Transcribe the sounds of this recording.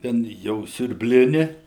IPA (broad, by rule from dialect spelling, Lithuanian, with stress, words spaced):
ˈtʲɛn jɛʊ sʲʊrʲbʲˈlʲɪnʲɪ